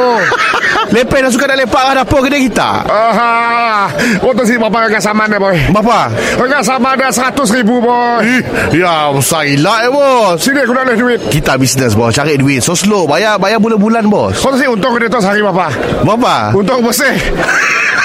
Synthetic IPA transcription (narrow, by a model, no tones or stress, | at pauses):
lepɛhnaʔsukatdaʔlepaʔlahdapɔkədiakit̪a̰a | wɔt̪̬ɔs̬ibaparəŋaʔsamandabɔjbapa | ɾəŋaʔs̬amandasəɾat̪ʊs̬ɾibubɔ | jaəsailaʔəbɔsinikunaʔlehduɪt̪̚kit̪abisnəs̬bɔst͡ʃaɾɪʔ̚duɪt̪̚soslobajabajabuləhbulanbɔ̰sɔt̪ɔs̬iʔunt̪ʊŋkədət̪ɔsɦaɾibapa | bapa̰unt̪ʊŋbɔsɛh